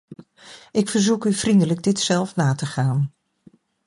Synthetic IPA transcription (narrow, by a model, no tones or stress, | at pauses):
ʔɪkfəɹzukyv̥rindələɡ̚dɪtsɛlˠfnaːtəχaːn